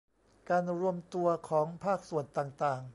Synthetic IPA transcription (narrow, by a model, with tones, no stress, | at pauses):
kaː˧nɾu˧əmt̪u˧ɐkʰɔː˩˦ŋpʰaː˥˩k̚su˨˩ənt̪aː˨˩ŋt̪aː˨˩ŋ